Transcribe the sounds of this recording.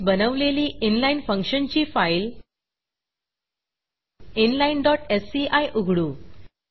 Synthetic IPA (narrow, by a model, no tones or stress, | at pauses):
bənəʋleliːʔinlainfə̃ŋkʂənt͡ɕiːfajl | inlainɖɔʈesiʔajʔuɡʱɽuː